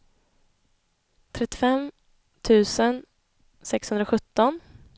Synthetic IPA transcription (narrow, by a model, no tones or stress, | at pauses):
t̪ʰɾɛt̪ːɪ̥fɛm | t̪ʰʉ̟ːsən | sɛkshɵnd̪ɾaɧɵt̪ːɔn